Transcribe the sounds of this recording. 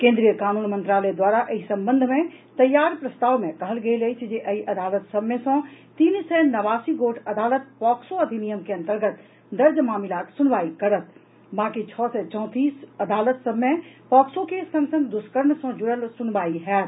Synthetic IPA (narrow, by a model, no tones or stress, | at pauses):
kẽːnd̪ɾijəkaːnuːnmənt̪ɾaːled̪waːɾaʔɐisɐ̃mbə̃nd̪ʱmẽ | t̪ɐjːaːɾpɾɐst̪aːʋmẽkɐɦəlɡɐelɐit͡ʃʰd͡ʒeʔɐiʔɐd̪aːlət̪sɐbmːesõt̪iːnsɛnɐʋaːsiɡoːʈʰɐd̪aːlət̪̚pɔːksoɐd̪ʱinijəmkeɐ̃nt̪əɾɡət̪ | d̪ɐɾd͡ʒmaːmɪlaːt̪sʊnʋaːikɐɾət̪̚ | bãːkit͡ʃʰɔːsɛt͡ʃɔ̃ːt̪iːsɐd̪aːlət̪sɐmẽpɔːksõkeːsɐ̃ŋɡsə̃ŋɡd̪ʊskəɾmsɔ̃d͡ʒʊɽəlsʊnʋaːiɦɛːt̪